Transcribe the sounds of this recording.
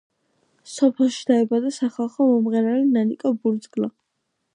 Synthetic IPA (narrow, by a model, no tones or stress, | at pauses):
sɔpʰɛlˠʃid̪̥aɛbad̪asaχalˠχɔmɔmʁɛɾalinanikʼɔbuɾd̪zɡla